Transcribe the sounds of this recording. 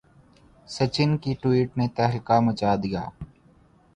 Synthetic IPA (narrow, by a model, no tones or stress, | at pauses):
sət͡ʃɪnkiʈwiːʈnet̪ɛɦlkamət͡ʃaːd̪ija̰ː